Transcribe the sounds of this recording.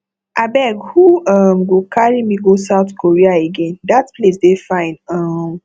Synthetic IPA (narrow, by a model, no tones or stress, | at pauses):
ʔabɛɡhuʌmɡokʰaɹimiɡosaʊtkʰoɹiaeɡɛ̃nd̪atpʰlesdefãɪ̃nʌm